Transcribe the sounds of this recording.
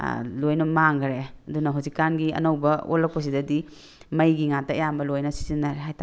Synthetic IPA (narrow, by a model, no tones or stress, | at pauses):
lojnɐmaŋɡɾeɐdunɐɦuzikːanɡiɐ̰nowbɐo̰lːɐk̚pɐs̬idɐdi | mɐjɡiŋatːɐɐ̰jambɐlojnɐsi̥zinːaɾeɦajtʰa